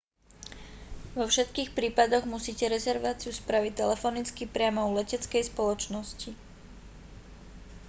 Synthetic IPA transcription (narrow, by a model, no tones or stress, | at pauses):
ʋɔfʃɛt̪kiːxpɾiːpad̪ɔɣmusiːcɛɾɛzɛɾʋaːt͡siuspɾaʋit̪ːɛlɛfɔnit͡skipɾɪamɔulɛcɛt͡skɛjspɔlɔt͡ʃnɔsci